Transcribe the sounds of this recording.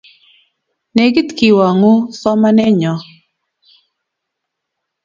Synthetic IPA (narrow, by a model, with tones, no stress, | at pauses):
nɛ˨ɡi˦t̪ki˨wa˨ŋu˦sɔ˦ma˦nɛ˦ɲɔ˨